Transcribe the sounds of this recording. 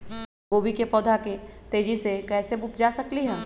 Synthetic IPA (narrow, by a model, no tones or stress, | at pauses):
ɡoːbikepɔːd̪ʱakit̪eːd͡ʒisekɛːsebʊp̚d͡ʒaːsɐkliɦɛː